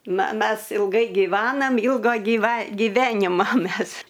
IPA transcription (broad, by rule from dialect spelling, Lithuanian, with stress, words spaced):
ˈnɐ ˈmʲɛs ɪlˠˈɡɐɪ ɡʲɪˈʋɑːnɐm ˈɪlˠɡɐ ɡʲiːˈʋɐ ɡʲɪˈʋʲæːnʲɪmɐ ˈmʲɛs